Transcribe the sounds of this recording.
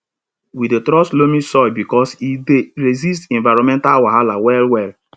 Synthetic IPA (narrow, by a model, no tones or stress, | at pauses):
wietɾɔslomĩsɔjbikɔsideɾezis̬tɛ̃nvaɾɔ̃mɛ̃ntalwaɦalawɛlwɛl